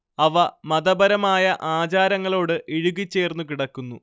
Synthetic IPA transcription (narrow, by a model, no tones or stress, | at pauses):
ɐʋɐmɐd̪ɐbɐɾɐmaːjɐʔaːt͡ɕaːɾɐŋːɐɭo̞ːɽɨʔeɻuɣit͡ɕːe̞ːrnːukiɽɐkːunːu